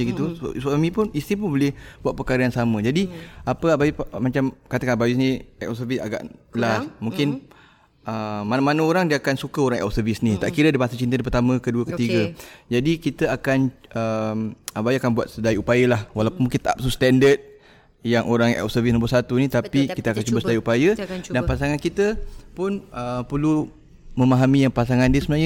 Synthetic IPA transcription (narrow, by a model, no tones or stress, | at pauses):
ɡit̪usamĩpʊnist̪ip̬ʊnbolɪhbuat̪̚pərkaɾajaŋsamə̃d͡ʒadiapəabaimat͡ʃamkat̪əkanabawisnĩɛ̰səvisa̰ɡa̰ʔlahmũŋkɪn | əmanamanəoɾaŋdiəakansukəoɾaŋɛ̰lsəvisnit̪aʔkiɾədəpasat͡ʃint̪ədipərt̪amə̃kəduəkət̪iɡəd͡ʒadikit̪əakanəmabajakanbuat̪̚sədajupajəlahwalawpunmuŋkint̪aa̰p̚sust̪ɛndət̪̚ | jaŋʔoɾaŋɛ̰lsəvisnmbʊsat̪unit̪apikit̪əakant͡ʃubasədaiupajədanpasaŋankit̪əpʊnəpərlu | mə̃maɦamijaŋpasaŋandiəsəmənaɲə